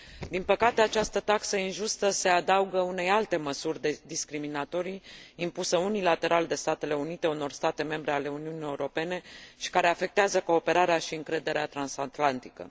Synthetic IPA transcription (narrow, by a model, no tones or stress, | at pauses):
d̪inpəkat̪e̞at͡ʃast̪ət̪aksəinʒust̪əse̞ad̪auɡəune̞jalt̪e̞məsurʲd̪ed̪iskɾiminat̪o̞ɾijːmpusəunilat̪e̞ɾald̪e̞st̪at̪e̞le̞unit̪e̞uno̞rst̪at̪e̞me̞mbɾe̞ale̞uniunije̞uɾo̞pe̞ne̞ʃi̥kaɾe̞afe̞k̚t̪eazəko̞ːpe̞ɾaɾeaʃiɨŋkɾe̞d̪e̞ɾeat̪ɾansat̪lant̪ikə̰